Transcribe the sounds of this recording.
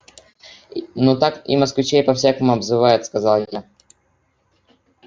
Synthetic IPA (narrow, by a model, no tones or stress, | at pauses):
nut̪akḭmɐskvʲɪt͡ɕejpɐfsʲakəmʊɐbzɨvajʊt̪skɐzalˠja